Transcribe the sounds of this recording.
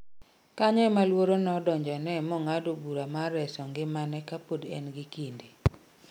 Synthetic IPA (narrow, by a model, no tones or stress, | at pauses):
kaɲɔɛmalwoɾonɔdɔɲd͡ʒɔnɛmɔŋadobuɾamaɾɛsɔŋɡɪmanɛkapodɛ̰nɡɪkinde